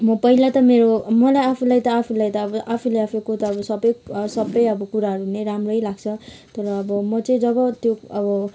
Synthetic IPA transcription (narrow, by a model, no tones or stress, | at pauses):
mʌpʌɦilat̪ʌmeɾomʌlajapʰulajt̪ʌapʰulajt̪ʌːbʌʔapʰulajapʰekot̪ʌːbʌsʌbʌjsʌbːʌjʌbʌkuɾaɦʌɾuuneɾamrʌjlaɡt͡sʰʌ | t̪ʌɾʌːbʌmʌt͡sʌĩd͡zʌbʌt̪joʌbʌ